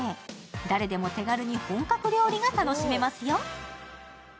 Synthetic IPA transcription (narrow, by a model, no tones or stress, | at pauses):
ed̪aɾe̞d̪e̞mo̞t̪e̞ɡaɾɯ̟ɲ̟ihõ̞ŋkakɯ̟ɾʲjo̞ːɾʲiɡat̪ano̞ɕime̞masɨjo̞